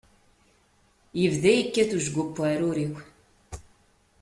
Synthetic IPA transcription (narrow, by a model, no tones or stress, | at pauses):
jəvðæjəkːæθuʒɡʊpːaɾʊɾiw